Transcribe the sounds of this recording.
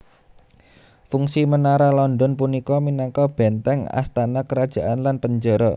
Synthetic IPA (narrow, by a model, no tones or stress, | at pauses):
fuŋsimənaɾalɔndɔnpunikɔminakɔb̥ɛnt̪ɛŋa̰st̪anakəɾad̥ʒ̥a̤ʔanlanpəɲd͡ʒɔɾɔ